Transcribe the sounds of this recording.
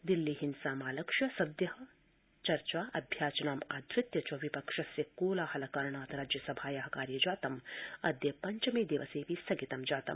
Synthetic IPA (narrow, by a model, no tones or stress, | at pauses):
d̪ilːiɦinsaːmaːlɐkʂjɐsɐd̪jɐɦɐ̆ | t͡ʃɐɾt͡ʃaːʔɐ̰bʱjaːt͡ʃɐnaːma̰ːd̪ʱɾɪt̪jɐt͡ʃɐʋipɐkʂɐsjɐkoːlaːhɐlɐkaːɾɳaːt̪ɾaːd͡ʒjɐsɐbʱaːjɐɦɐkaːɾjɐd͡ʒaːt̪ɐmɐd̪jɐpɐɲt͡ʃɐmeːd̪eːʋɐseːpisɐɡit̪ɐmd͡ʒaːt̪ɐ̰m